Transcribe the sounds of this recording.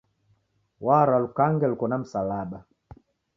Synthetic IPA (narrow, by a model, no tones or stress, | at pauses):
waɾalukaŋɡɛlkɔnam̩salaɓa